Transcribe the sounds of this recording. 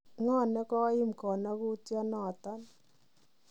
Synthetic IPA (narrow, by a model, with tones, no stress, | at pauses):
ŋɔ˦˨nɛ˦kɔ˦ɪ˦mkɔ˨na˦ku˦tjɔ˦nɔ˨ta˦n